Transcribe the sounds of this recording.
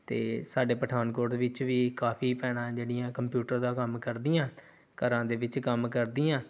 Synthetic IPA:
t̪ḛːsaːɖeːpəʈʰaːnkoːɾd̪eːʋɪt͡ʃʋiːkaːpʰiːpɛːɽãːd͡ʒeːɽijãːkəmpjuːʈəɾd̪aːkəmkəɾd̪ijãː | kəɾãːd̪eːʋɪt͡ʃkəmkəɾd̪iːãː

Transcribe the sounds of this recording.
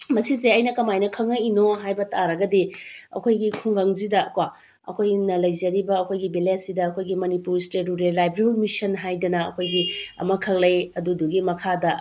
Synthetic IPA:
mɐsizeɐjnɐkɐmajnɐkʰɐŋɐinoɦajbɐtʰaɾɐɡɐdiɐ̰kʰojɡikʰuŋɡaŋzidɐkwa | ɐ̰kʰojnɐlɐjzɐɾibɐːkʰojɡibiletsidɐːkʰojɡimɐnipuɾsteɾuɾellajbɾeumisɐnɦajdɐnɐɐ̰kʰojɡiɐ̰mɐkʰɐklɐjɐduduɡimɐkʰadɐ

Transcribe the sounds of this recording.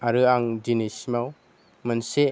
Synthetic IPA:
aɾɯaŋd͡ʒinismaw | mənse

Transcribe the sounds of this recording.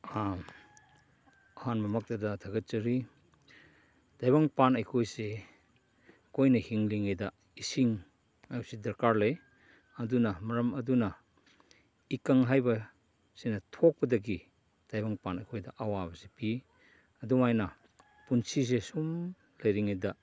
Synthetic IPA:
a | ɐhanmɐmak̚tɐdɐtʰɐɡɐt̚t͡ʃɐɾi | d̥ajbaŋpanajkʰojse | kojnɐhiŋliŋajdɐ | isiŋ | majsedɐɾkaɾlej | ɐdunɐmɐɾɐmɐdunɐ | ikaŋɦajbɐ | sinɐtʰɔk̚bɐdɐk̬i | d̥ajbaŋpanajkʰojdɐʔɐwabɐsepi | ɐdumajna | punsis̬esum | lɐjɾiŋejda

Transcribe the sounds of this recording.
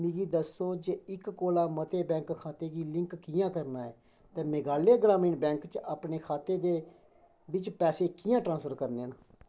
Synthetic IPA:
miɡiːd̪əsːoːd͡ʒeːɪkːoːlaːmət̪eːbɛ̃ːŋkkʰaːt̪eːɡiːlɪŋkːkɪjãːkəɾnaːɛː | t̪ẽːmɪɡaːleːɡɾaːmiːnbɛ̃ːŋkt͡ʃaːpɳeːkʰaːt̪eːd̪eː | bɪt͡ʃpɛːseːkɪjãːʈɾãːnsfəɾkəɾneːəna

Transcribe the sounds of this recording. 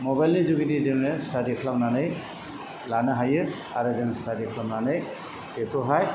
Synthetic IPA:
mɔbajlnizuɡitizenestadikʰlamnanɯj | lanɯɦajɯ | a̰ɾɯzɛnstadikʰlamnanɯj | epɔɦaj

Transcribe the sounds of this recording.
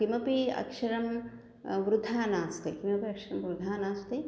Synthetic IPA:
kimɐpiɐ̰kʂɐɾɐm | ʋɾud̪ʱaːnaːst̪ekimɐpiɐkʂɐɾɐmʋɾud̪ʱaːnaːst̪e

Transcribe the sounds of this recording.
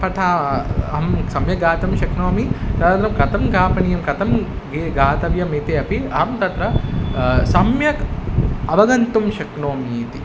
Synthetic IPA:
pɐʈ̪ʰaɐɦɐmsɐmjɐɡaːt̪ɐmʃɐknoːmik̪ɐd̪and̪ɾɐmkɐt̪ɐmɡaːpɐnijɐmkɐt̪ɐm | ɡeɡaːt̪ɐʋjɐmit̪eːɐpiɐɐmt̪ɐt̪ɾɐ | sɐmjɐkɐʋɐɡɐnt̪umʃɐknoːmiiːt̪i

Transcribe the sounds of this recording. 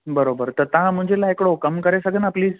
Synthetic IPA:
bəɾobəɾt̪əɾt̪ãm̤ə̃ɳd͡ʑʱelaekɽokəmkəɾesəɡənapliːd͡z

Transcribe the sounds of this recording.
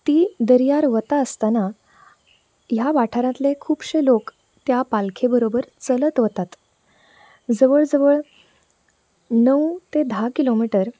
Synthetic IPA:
t̪iːd̪əɾjaɾʋət̪aəst̪ana | jaʋaʈʰaɾãt̪lekʰuːbɕelok | t̪japalkʰebəɾobəɾt͡sələt̪ʋət̪at̪ | d͡zəʋəɭd͡zəʋəɭ | nəwt̪ed̪ʱakilomiʈəɾ

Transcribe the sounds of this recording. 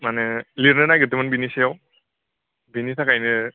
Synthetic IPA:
manɛliɾnɯnajɡɔt̬imanbinisɛjaw | binitʰakajnɯ

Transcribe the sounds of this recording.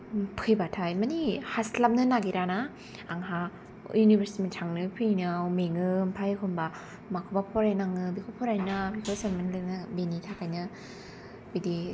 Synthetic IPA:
pʰɯjbatʰajmanihaslam̚nɯnaɡiɾanaː | ŋɦa | junibeɾsi̥timitʰaŋnɯpʰɯjnawmeŋɯmpʰajkʰɯmba | makʰobapʰɔɾajnaŋɯbikʰopʰɔɾajnabikʰosenmanlɯnɯbenitʰakajnɯ | bidi

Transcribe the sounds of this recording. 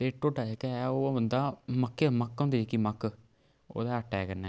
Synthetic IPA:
t̪eːʈoːʈaekɛoːbənd̪aːməkːeməkɦʊ̃nd̪eːekiməkː | o̰ːd̪ɛːəʈːɛːkəɾnɛ̃ː

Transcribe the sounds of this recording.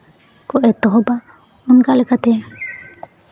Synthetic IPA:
kɔʔɛt̪ɔɦɔbaʔ | unkalɛkat̪ɛ

